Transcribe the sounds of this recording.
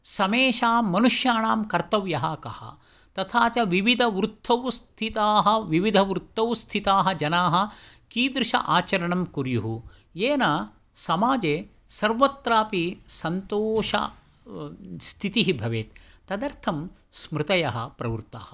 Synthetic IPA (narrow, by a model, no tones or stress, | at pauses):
sɐmeːʃaːmːɐnuʂjaːɳaːmkɐɾt̪ɐʋjɐɦɐkɐ̰hɐ̰ | t̪ɐt̪ʰaːt͡ʃɐʋiʋid̪ʱɐʋɾut̪ʰːɐʋst̪ʰit̪aːɦɐʋiʋid̪ʱɐʋɾut̪ʰːɐʋst̪ʰit̪aːɦɐd͡ʒɐnaːɦɐkiːd̪ɾɪʃɐ̰ʔaːt͡ʃɐɾɐɳɐmkuɾjuɦu | jeːnaː | sɐmaːd͡ʒeː | sɐɾʋɐt̪ɾaːpisɐnt̪oːʃɐ̰ | st̪ʰit̪iɦibʱɐʋeːt̪t̪ːɐd̪ɐɾt̪ʰɐm | smɾɪt̪ɐjɐɦɐ̰pɾɐʋuɾt̪a̰ːhɐ